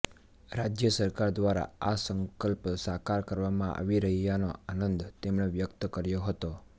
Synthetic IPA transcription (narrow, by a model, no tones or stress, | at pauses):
ɾad͡ʒjəsəɾkaɾd̪ʋaɾa̰asəŋkəlpsakaɾkəɾʋamãʔa̰ʋiɾəɦijanoanənd̪t̪emɳeʋjəkt̪əkəɾjoɦət̪o